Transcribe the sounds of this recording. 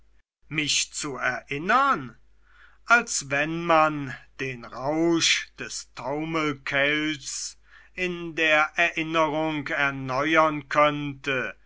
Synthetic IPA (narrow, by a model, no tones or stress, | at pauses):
mɪʃt͡suɛɐʔɪnən | ʔalsvɛnmand̥eːnʁaʊʃd̥ɛstʰaʊməlkʰɛls | ɪndeːɐʔɛɐʔɪnəʁʊŋkɛɐnɔʏɐnkʰœntə